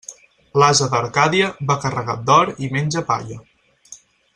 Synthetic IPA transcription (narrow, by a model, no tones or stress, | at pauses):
lazəðəɾkaðiəβakərəɣad̪ɔɾimenʲd͡ʒəpa̰ʎə